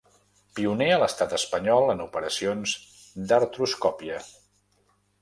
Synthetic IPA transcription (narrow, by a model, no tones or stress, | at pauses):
piuneələst̪at̪əspəɲɔlˠənupəɾəsionz | d̪əɾt̪ɾuskɔpiə